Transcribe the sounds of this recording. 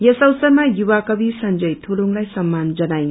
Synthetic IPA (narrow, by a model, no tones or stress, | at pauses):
jʌsʌwsʌɾmajubakʌbisʌnd͡ʒʌjtʰuɾuŋlajsʌmːand͡ʒʌnaj